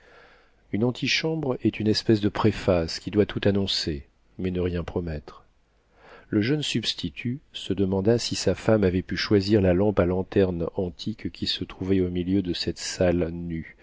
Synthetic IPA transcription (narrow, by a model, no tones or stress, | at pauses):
ynɑ̃t̪ʰiʃɑ̃bʁɛt̪ynɛspɛsd̪əpχefaskʲid̪wat̪ʰut̪anɔ̃se | mɛnəʁjɛ̃pχɔmɛt̪χ | ləʒœnsybst̪ʰit̪ʰysəd̪əmɑ̃d̪asisafamavɛpyʃwaziʁlalɑ̃palɑ̃t̪ɛʁnɑ̃t̪ʰikkʲʰisət̪χuvɛomiljød̪əsɛt̪salny